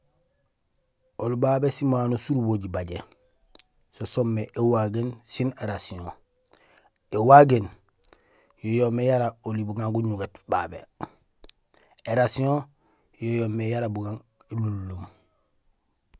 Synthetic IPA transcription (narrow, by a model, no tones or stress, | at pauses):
olubaːbesimaːnosuɾuboɟibaɟḛ | sosomːeʔewaɡensineɾasiõ | ewaɡen | jojomejaɾaolibuɡãŋɡuɲuɡetba̰bḛ | eɾasiõ | jojoːmejaɾabuɡaŋ | elulːoŋ